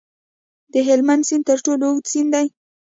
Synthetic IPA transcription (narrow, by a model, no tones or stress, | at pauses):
d̪əɦɪlmand̪sint̪əɾʈolosind̪aj